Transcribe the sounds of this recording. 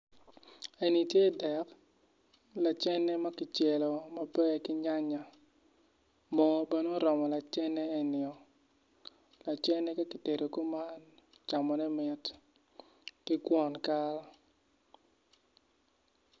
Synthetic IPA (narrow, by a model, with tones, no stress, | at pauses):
e˨ni˨tje˦dɛ˨k | la˨t͡ʃɛ˦nɛ˦ma˦kɪ˨t͡ʃe˨lo˨ma˨bɛ˦kɪ˦ɲa˦ɲa˨ | mɔ˨bɛ˦no˦ɾɔ˨mɔ˨la˨t͡ʃɛ˦nɛ˦e˦nɪ˨ɔ˨ | la˨t͡ʃɛ˦nɛ˦ka˦ki˨te˨ɾo˨ko˦ma˦n | t͡ʃa˨mɔ˨nɛ˦mɪ˨t | kɪ˦kwɔ˦nka˦la˦